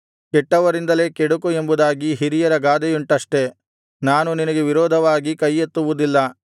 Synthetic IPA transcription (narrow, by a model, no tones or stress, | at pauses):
kɛʈːɐʋɐɾind̪ɐle̞ːkɛɽukue̞mbud̪aːɡiɦiɾijɐɾɐɡaːd̪ɛjuɳʈɐʂʈe̞ | naːnuninɐɡe̞ʋiɾɔːd̪ʱɐʋaːɡikɐjːet̪ːuʋud̪ilːɐ